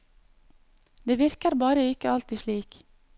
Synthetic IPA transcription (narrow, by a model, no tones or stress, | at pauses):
d̪eːʋɪɾkəɾbɑːɾəɪkəɑlt̪ɪʃɭiːk